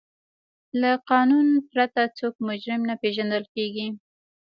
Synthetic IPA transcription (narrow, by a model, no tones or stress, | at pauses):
laqɑnunpɾat̪at͡sokmʊd͡ʒɾɪmnapeʒand̪əlkeɡi